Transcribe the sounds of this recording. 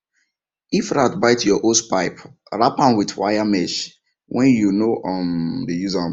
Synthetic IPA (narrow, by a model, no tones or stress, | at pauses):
ifɾatbaɪtjɔʔospaɪp | ɹapãnwidwa̰jamɛʃ | wʔɛ̃njunoʔɔmdejuza